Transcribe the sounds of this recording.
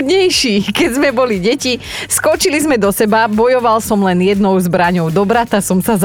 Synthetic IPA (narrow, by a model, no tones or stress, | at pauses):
d̪ɲɛjʃiːkɛzmɛbɔliɟɛciskɔt͡ʃilizmɛd̪ɔsɛbabɔjɔʋalsɔmlɛnjɛd̪nɔʊzbɾaɲɔʊd̪ɔbɾat̪asɔmsaz